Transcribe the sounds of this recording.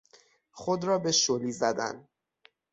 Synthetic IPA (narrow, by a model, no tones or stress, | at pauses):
xod̪ɾɒːbe̞ʃoliːzæd̪æ̰n